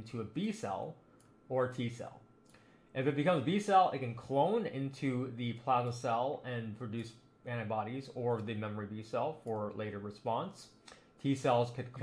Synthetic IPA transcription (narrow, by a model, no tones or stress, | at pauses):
ntʰʉəbisɛ̰lˠ | ə˞tʰisɛ̰lˠ | ʔɨfɨt̚b̥ɨkʌ̃mzbisɛlˠɪ̰t̚kɨ̃nkʰl̥õʊ̃nɪ̰̃ntʰʉðɨpʰl̥æzn̩sɛlˠɨ̃npʰɹ̥ɨdʉs | æ̃ɾ̃ɨbɑɾizə˞ðɨmɛmə˞ibisɛlˠfə˞leɪɾə˞ɹɨspɑ̃ns | tʰisɛlˠz̥kʰɨd̚kʰ